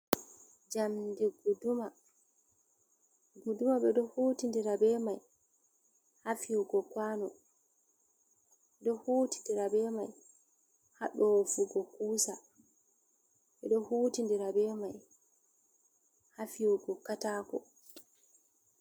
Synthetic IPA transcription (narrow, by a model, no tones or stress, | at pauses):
d͡ʒamdiɡuduma | udumaɓɛɗɔhutindiɾabɛmaj | hafiwuɡɔkwanɔ | ɛɗɔhuːti̥ndiɾabɛmaj | haɗɔfuɡɔkuːsa | ɓɛɗɔhuːtindiɾabɛmaj | hafiwuɡɔkataːkɔ̰